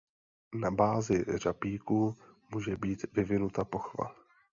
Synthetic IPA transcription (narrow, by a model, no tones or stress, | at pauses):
nabaːzɪr̝apiːkuːmuːʒɛbiːt̪vɪvɪnut̪apo̞xva̰